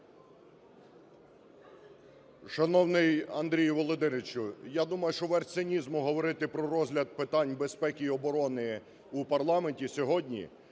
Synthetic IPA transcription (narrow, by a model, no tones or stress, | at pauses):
ʃɐnɔwnɪjɐnd̪ɾʲijʋɔlˠɔd̪ɪnɪt͡ʃʊjad̪umɐjʊʃt͡ʃɔʋɛrsʲenʲizmʊɦɔʋɔɾɪt̪ɪpɾɔɾɔzʲɦlʲɐd̪̚pɪt̪ɑnʲbespɛkʲiːɔbɔɾɔnɪ | upɐrlˠɑmenʲtʲisʲɔɦɔdʲnʲḭ